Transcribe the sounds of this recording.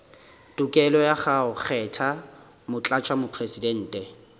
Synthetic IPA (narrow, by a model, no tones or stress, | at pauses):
tukʼɛlɔjaχaʊχɛtʰa | mʊt͡ɬʼat͡ʃʰamʊpʰresidɛn̩ːtʼɛ